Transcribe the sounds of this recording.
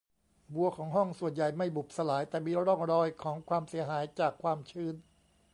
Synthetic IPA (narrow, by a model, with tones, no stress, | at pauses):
bu˧ɐkʰɔː˩˦ŋɦɔ˥˩ŋsu˨˩ənja˨˩jma˥˩jbu˨˩p̚sa˧laː˩˦jt̪ɛː˨˩miː˧ɾɔ˥˩ŋɾɔː˧jkʰɔː˩˦ŋkʰwaː˧msi˨˩˦ɐɦaː˩˦jt͡ɕaː˨˩kʰːwaː˧mt͡ɕʰɯː˧˥˩n